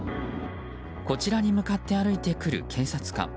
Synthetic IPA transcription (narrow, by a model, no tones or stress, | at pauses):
ko̞t͡ɕiɾaɲ̟imɯ̟kat̪ːe̞aɾɯ̟it̪e̞kɯ̟ɾɯ̟̰kʰẽ̞ɰ̃sat͡sɨ̥kã̰ŋ